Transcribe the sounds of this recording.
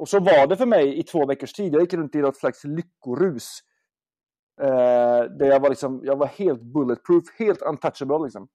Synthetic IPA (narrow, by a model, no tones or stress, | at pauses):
ɔsɔvɑɖɛfœɾmɛjɪt̪ʰvoːvɛkːəʂʈʰiːd̪jajɪkːɾɵnt̪ɪnɔt̪slakslʏkːʊɾʉ̟ːs | d̪æɾjɑːɡvaɾlɪksɔmjɑːɡvaɾheːlt̪̚bɵlːət̪̚pʰɾʉːfheːlt̪ant̪ʰat̪ʃəbəllɪksɔm